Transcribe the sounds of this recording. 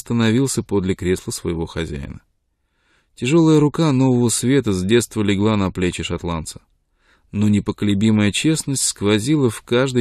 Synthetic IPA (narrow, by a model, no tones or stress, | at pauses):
st̪ənɐvʲilˠsʲəpo̞d̪lʲɪkɾʲe̞slˠəsvə̰jɪvo̞xɐzʲæ̰jɪ̰nə | tʲɪʐo̞lˠəjəɾʊkano̞vəvəsvʲe̞t̪əzdʲe̞t̪st̪vəlʲɪɡlˠanɐplʲet͡ɕɪʂɐt̪lˠant̪sə̥ | nonʲɪpəkəlʲɪbʲiməjət͡ɕe̞snəsʲtʲskvɐzʲilˠəfkaʐd̪ɨ